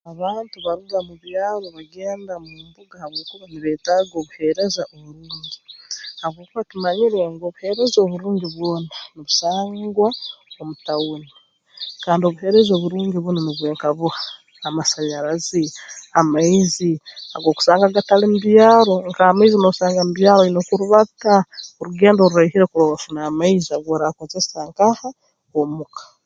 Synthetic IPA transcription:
aβaːntuβaɾuɡamuβjaːɾoβaɡe̞ːndamumbuɡahaβwo̞ːkuβaniβeːtaːɡo̞ːβuhe̞ɾe̞zaʔoβuɾuːɲɟihaβwo̞ːkuβatimaɲiɾeŋɡo̞ːβuhe̞ɾe̞zoβuɾuːɲɟiβwo̞ːnaniβusaːŋɡwaomutawuni | kaːndio̞βuhe̞ɾe̞zo̞βuɾuːɲɟiβwunoniβweːŋkaβuhaː | masaɲaɾaziamaizia̰ɡo̞ku̥saːŋɡaɡatalimuβjaːɾo̞ŋkaːmaizinoβusaːŋɡamuβjaːɾoinokuɾuβataoɾuɡe̞ːndo̞ɾuɾehiɾekuɾoβafunamaizaβwoːɾakozesaːŋkaha | omukḁ

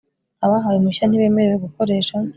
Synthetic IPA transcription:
aβaɦawimuʃan̥iβe̞ːme̞ɾeweɡuko̞ɾe̞ːʃa

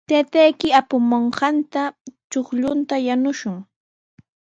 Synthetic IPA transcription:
t̪at̪ajkɪapʊmoɴɢɑnt̪at͡ʃoχʎʊnt̪ajanʊʃʊŋ

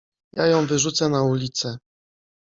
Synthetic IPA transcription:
jajɔ̃w̃vɘʐut̪sɛnaulʲit̪sɛ

